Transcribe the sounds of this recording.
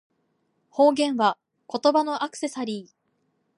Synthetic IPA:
ho̞ːɡẽ̞ɰ̃βa | ko̞t̪o̞bano̞ʔakɯ̥se̞saɾʲiː

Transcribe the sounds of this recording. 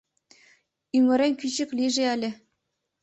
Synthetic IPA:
ymʲɘ̆ɾʲenʲkʲyɕɘ̆kʲlʲiʐeælʲɘ̆

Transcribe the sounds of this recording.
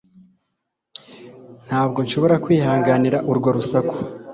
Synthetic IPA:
n̥haːb̚ɡo̞nʃo̞βo̞ɾakwiːhaːŋɡaniɾaʔuɾɡo̞ɾusaku̥

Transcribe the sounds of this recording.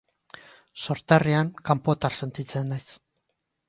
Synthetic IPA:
so̞ɾt̪ariaŋkampo̞t̪arse̞nt̪it͡se̞najs

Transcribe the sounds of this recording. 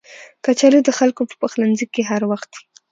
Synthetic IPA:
kat͡ʃalid̪əxalkopə̥pəxlanzikːeɦaɾwaxt̪̚d̪i̥

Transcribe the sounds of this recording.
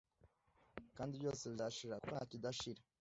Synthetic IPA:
kaːndibjo̞ːseβjaːʃiɾakukonacidaʃiɾa

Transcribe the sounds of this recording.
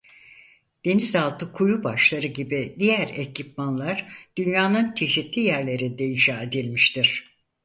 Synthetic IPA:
d̪̥e̞nizalˠt̪ʰɯkʰujubaʃlˠaɾɯɟibid̪ijæɾecipmanlˠaɾd̪̥ynjaːnɯnt͡ʃʰe̞ʃit̪lʲijæɾlʲe̞ɾid̪eid͡ʒaːed̪ilʲmiʃt̪ʰiɾ̥

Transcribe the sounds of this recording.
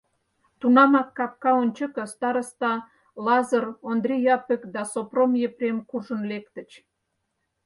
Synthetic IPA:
t̪unɑmɑkːɑp̚kɑonʲt͡ɕə̆kə̆st̪ɑɾəst̪ɑ | lɑzərond̪rʲejɑpĕkd̪ɑsopromjeprʲemkuʒə̆nlekt̪ə̆t͡ɕ

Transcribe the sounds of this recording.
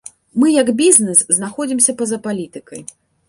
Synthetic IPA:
mɨjɐɡbʲiznɛsznaxɔd͡zʲimsʲɐpɐzɐpalʲit̪ɨkɐj

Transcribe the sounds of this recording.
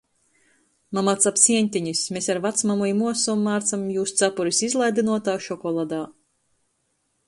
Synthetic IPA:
mamat̪sapsʲiɛnʲt̪ʲiɲismʲesaɾvat̪smamujmuɔsumːaːɾt̪samjuːst̪sapuɾisizlˠajd̪inuɔt̪aːʃɔkɔlˠad̪aː

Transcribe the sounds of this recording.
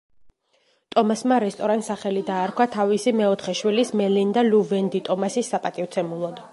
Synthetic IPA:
t̪ʼɔmasmaɾɛst̪ʼɔɾant̪saχɛlid̪aːɾkʰwat̪ʰavisimɛɔt̪ʰχɛʃwilismɛlind̪aluvɛnd̪it̪ʼɔmasisːapʼat̪ʼivt̪sʰɛmulˠɔd̪

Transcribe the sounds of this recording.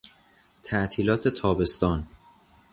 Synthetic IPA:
t̪ʰæʔt̪ʰiːlɒːt̪ʰe̞t̪ʰɒːbe̞st̪ɒːn

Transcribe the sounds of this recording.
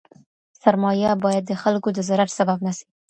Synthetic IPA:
saɾmɑjabɑjad̪̚ːəxalkod̪əzaɾaɾsababnasi̥

